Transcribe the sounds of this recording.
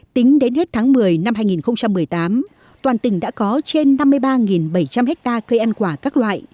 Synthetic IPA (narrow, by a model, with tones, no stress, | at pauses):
t̪ï˨˦ŋ̟ɗe˨˦nhe˦˥t̚t̪ʰaː˨˦ŋmɨ˨˩əjna˧mhɦaː˧jŋi˨˩nxə˧wŋ͡mt͡ɕa˧mːɨ˨˩əjt̪aː˨˦m | t̪waː˨˩nt̪ï˩ŋ̟ɗa̰ː˧˥kɔ˨˦t͡ɕe˧nːa˧mːɨ˧əjɓaː˧ŋi˨˩nɓə˧˩jt͡ɕa˧mhɛ˦˥k̚t̪aː˧kə˧jʔa˧nkwaː˧˩kaː˦˥k̚lwa̰ː˧˨jʔ